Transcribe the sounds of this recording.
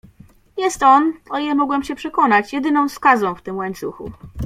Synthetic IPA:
jɛst̪ɔnɔijɛmɔɡwɛmɕɛpʂɛkɔnat͡ɕjɛd̪ɘnɔ̃w̃skazɔ̃w̃ft̪ɘmwaɲt̪suxṵ

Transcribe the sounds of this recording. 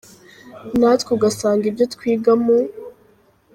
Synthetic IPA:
natkuɡasaːŋɡibjo̞tkwiːɡamu

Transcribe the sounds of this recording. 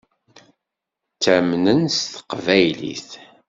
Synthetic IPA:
t͡sːæmnənsθə̥qvæjlḭθ

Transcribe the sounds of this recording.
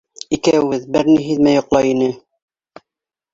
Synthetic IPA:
ikæwɘɘðbɘɾniɦiðmæjŏqlˠɑjinɘ

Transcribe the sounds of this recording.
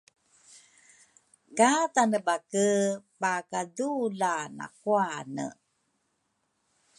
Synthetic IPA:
katanəbakəpakadulana̰kuanə̰

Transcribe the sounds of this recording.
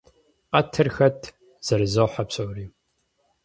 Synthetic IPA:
qɐtʰɨrxɐtʰ | z̥ɐɾɨzɐwħapɕʼowriː

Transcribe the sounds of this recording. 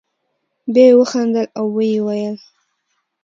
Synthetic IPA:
bewəxand̪əlawːəjewajəl

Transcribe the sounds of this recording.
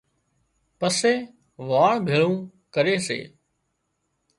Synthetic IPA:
pəseː | ʋaːɭbʱeːɭũː | kəɾeːsḛː

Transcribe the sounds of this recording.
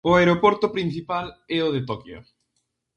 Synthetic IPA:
ʊeɾopɔɾt̪ʊpɾin̟θipalɛʊðet̪ɔkjo̰

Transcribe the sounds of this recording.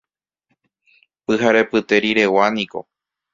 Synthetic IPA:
pɨhaɾe̞pɨt̪e̞ɾiɾe̞waniko̞̰

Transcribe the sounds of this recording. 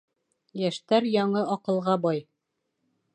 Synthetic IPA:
jæʃt̪æɾjɒɴɤʔɒqɤ̆lˠʁɑbɒj

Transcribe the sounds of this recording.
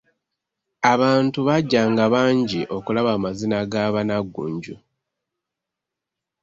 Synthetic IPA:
aβaːntuβaɟːaːŋɡaβaːɲɟiʔo̞kulaβaːmazinaɡaːβanaɡːṵːɲɟu

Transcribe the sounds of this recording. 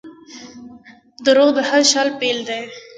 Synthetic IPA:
d̪əɾoʁd̪əhaɾʃɑlpeld̪ej

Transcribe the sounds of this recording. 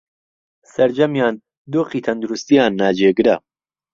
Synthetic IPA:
sɐɾd͡ʒɐmjaːn | d̪oːqiːt̪ʰɐnd̪uɾust̪ijaːnːaːd͡ʒeːɡɾa

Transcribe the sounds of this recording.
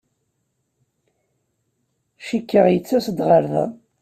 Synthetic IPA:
ʃikːəʁjət͡sːæsd̪ʁəɾðæ̰

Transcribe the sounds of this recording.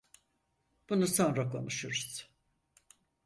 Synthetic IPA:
b̥unuso̞nɾakʰo̞̰nuʃuɾuz̥

